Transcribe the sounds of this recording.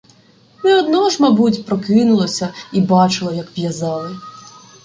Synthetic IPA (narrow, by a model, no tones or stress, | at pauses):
nɛɔd̪nɔʒmɐbut̬ʲpɾɔkɪnʊlˠɐsʲɐibɑt͡ʃɪlˠɐjɐkʋjɐzɑlˠɪ